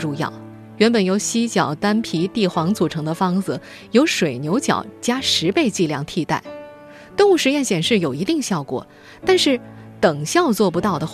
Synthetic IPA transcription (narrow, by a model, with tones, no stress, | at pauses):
ʈ͡ʂu˥˧jɑ̰˥˩ʊ | ɥɛ˧˥npə˨˩njo˧˥ʊɕi˥t͡ɕjɑ˨˩ʊt̪a˥npʰi˧˥t̪i˥˩xwɑ˧˥ŋt͡su˨˩ʈ͡ʂʰɤ˧˥ŋd̪ə˧fɑ˥ŋd͡zɹ̩˩ | jo˧˥ʊʂwe˨˩ɪnjo˧˥ʊt͡ɕjɑ̰˨˩ʊt͡ɕja˥ʂɻ̩˧˥pe˥˧ɪt͡ɕi˥˧ljɑ˥˩ŋt̪ʰi˥˧t̪a̰˥˩ɪ | t̪o˥˧ŋu˥˩ʂɻ̩˧˥jɛ˥˩nɕjɛ˨˩nʂɻ̩˥˩jo˨˩ʊi˧˥t̪i˥˧ŋɕjɑ˥˩ʊkwɔ̰˨˩˦ | t̪a˥˧nʂɻ̩˥˩t̪ɤ˨˩ŋɕjɑ˥˧ʊt͡swɔ˥˩pu˧˥t̪ɑ˥˩ʊd̪ə˩